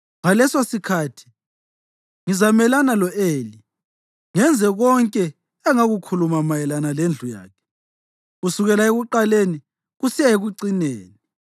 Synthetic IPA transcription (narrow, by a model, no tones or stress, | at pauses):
ŋalɛsosikʰaːtʰi̥ | ŋizamɛlanalɔʔeːli | ŋɛnd͡zʱɛɣɔŋkʼɛː | ŋaɣukʰulumamajɛlanalend͡ɮʱuja̰ːkʰɛ̥ | ɣusuɣɛlaeɣuǃaleni | ɣusijaeɣuǀineːni